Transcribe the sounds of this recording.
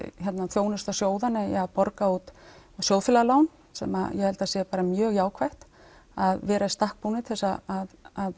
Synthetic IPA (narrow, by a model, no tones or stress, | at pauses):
çɛt̪naθʰjoːwnʏst̪asjoːwðanːɪaðpɔɾkaut̪sjoːwfɪlalaːwn | sɛ̰ma̰jɛhɛlt̪aðsjɛpaːɾamjœːɣjaːwkʰvajht̪ | aðvɛːɾaɪst̪ahk̚punɪt̪ʰɛlsaaðað